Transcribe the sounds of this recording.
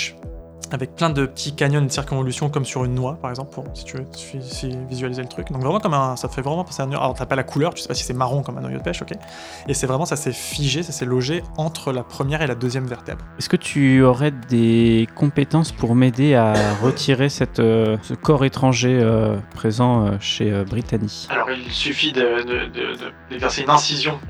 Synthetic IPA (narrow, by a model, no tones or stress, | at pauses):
avɛk̚plɛ̃d̪əpət̪ʰikaɲjɔnd̪əsiʁkɔ̃vɔlysjɔ̃kɔmsyʁynːwapaʁɛɡzɑ̃plpuʁsi̥t̪yvøfisivizɥalizelət̪χykd̪ɔ̃kvʁɛmɑ̃kɔmɛ̃sat̪əfɛvʁɛmɑ̃pãseɛ̃ny̰ʁa̰lɔʁt̪yapalakʰulœʁt̪y̥se̥pasi̥sɛmaʁɔ̃kɔmɛ̃nwa̰jo̰d̪əpɛʃɔkʲe | esɛvʁɛmɑ̃sasɛfiʒesasɛlɔʒeɑ̃t̪χəlapχəmjɛʁelad̪øzjɛmvɛʁt̪ɛ̰blɛskət̪ʰyɔʁɛd̪ekɔ̃pet̪ɑ̃spuʁmed̪eaʁət̪ʰiʁesɛt̪øsəkɔʁet̪χɑ̃ʒeøpχezɑ̃øʃeøbʁit̪anialɔʁilsyfid̪əd̪əd̪ə̰d̪ə̰d̪̥evɛʁseynɛ̃sizjɔ̃